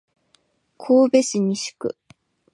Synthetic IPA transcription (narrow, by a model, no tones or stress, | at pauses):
kʰoːbe̞sɨɲ̟iɕɨ̥kɯ̟̰